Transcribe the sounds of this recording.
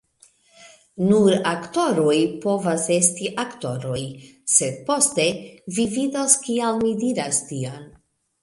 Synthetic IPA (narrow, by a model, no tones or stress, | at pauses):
nuɾakto̞ɾojpo̞vase̞stiʔakto̞ɾo̞jse̞d̚po̞ste̞vividoskialmidiɾastion